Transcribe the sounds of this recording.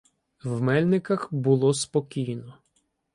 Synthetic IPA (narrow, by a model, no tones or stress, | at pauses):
wmɛlʲnɪkɐxbʊlˠɔspɔkʲijnɔ